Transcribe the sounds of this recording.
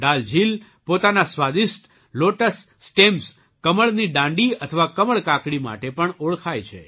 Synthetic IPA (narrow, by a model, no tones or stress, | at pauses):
ɖald͡ʒil | pot̪anasʋad̪iʃʈ | loʈəsːʈems | kəməɭniɖãɳɖiət̪ʰəʋakəməɭkãkɽima̰ʈepəɳoɭkʰajt͡ʃʰḛ